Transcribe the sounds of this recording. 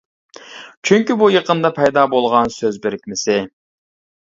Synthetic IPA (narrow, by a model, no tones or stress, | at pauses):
t͡ʃʰyŋʲkʲibujəqənd̪ɑpʰɛjd̪ɑbolˠʁɑnsøzbɪɾɪkʲmɪsɪ